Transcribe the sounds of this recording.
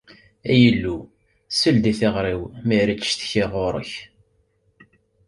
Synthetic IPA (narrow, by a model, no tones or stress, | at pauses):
æjəlːu | səld̪iθɪʁɾiwmiɾit͡sːʃθə̥çɪʁoɾˤə̰ç